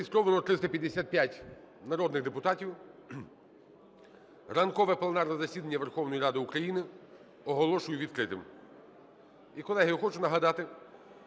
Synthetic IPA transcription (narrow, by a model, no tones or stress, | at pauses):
ist̪ɾɔʋɐnˠɔt̪ɾɪst̪ɐpʲjɐd̪ːesʲat̪̚pʲjatʲ | nɐɾɔd̪nɪɣd̪epʊt̪ɑtʲiw | rɐnkɔʋɛplˠenɑrnɐzɐsʲid̪ɐnʲːɐʋerxɔwnɔjiɾɑd̪ɪukɾɐjinɪ | ɔɦɔlˠɔʃʊjʊʋʲid̪̚kɾɪt̪ɪ̰m | ikɔlˠɛɦɐjʊxɔt͡ʃʊnɐɦɐd̪ɑt̪ɪ